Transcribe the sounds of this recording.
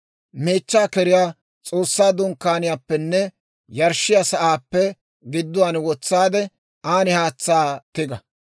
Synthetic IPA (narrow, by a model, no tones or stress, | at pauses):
me̞ːt͡ʃːaːkɛɾɪjaː | t͡sʼo̞ːsːaːd̪ʊŋkːaːnɪjaːpːɛnːɛ | jɐɾʃɪjasɐʔaːpːɛ | ɡɪd̪ːʊwaːnwɔt͡sːaːd̪ɛ | aːnɪhaːt͡sːaːt̪ɪɡɐ